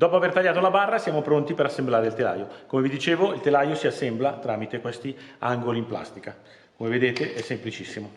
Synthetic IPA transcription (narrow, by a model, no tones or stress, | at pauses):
d̪ɔːpoavert̪aʎːaːt̪olabarːasjaːmopɾont̪ipeɾasːemblaːɾeilt̪ela̰ːjokomevid̪it͡ʃeːvoilt̪elajosiasːɛmblat̪ɾaːmit̪ekwest̪iaŋɡoliːmpla̰st̪ika | komeved̪eːt̪eʔɛsːemplit͡ʃisːimo